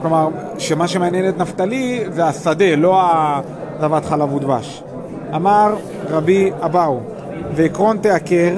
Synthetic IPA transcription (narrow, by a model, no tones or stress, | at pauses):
klomaʁʃemaʃemeanjenet̪naft̪aliveasad̪e̞lo̞a | zavat̪χalavud̪baʃ | amaʁ | ʁabiabaw | veikʁo̞nt̪eakeʁ